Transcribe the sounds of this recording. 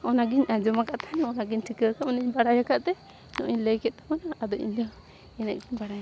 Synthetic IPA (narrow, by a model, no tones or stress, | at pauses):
ɔnaɡiɲad͡ʒɔmakaʔt̪ʰanɔnaɡiɲtʰikəkamnəɲbaɽajakaʔt̪ɛ | nɔ̰ʔiɲləjkɛt̪̚t̪amanaːd̪ɔʔḭɲlə | ɛnɛ̰ʔ̚ɡiɲbaɽaja